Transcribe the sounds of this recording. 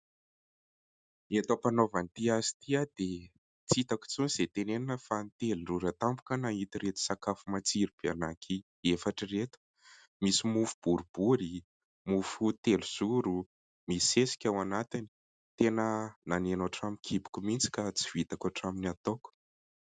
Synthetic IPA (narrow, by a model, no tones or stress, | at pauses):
et̪opanovant̪iazi̥t̪iad̪e | t͡sit̪aku̥t͡suniz̥et̪enenanəfanit̪elunruɾat̪ambu̥kənait̪iɾet̪u̥sakafumat͡siɾib̥eanakʰi | efaʈ͡ʂiret̪u̥ | misimufub̥uɾubuɾi | mufut̪eluz̥uɾu | misesi̥kʲawanat̪ini̥ | t̪enənanenoʈ͡ʂamikʰibu̥kumint͡si̥kat͡si̥vit̪akaʈ͡ʂaminat̪oku̥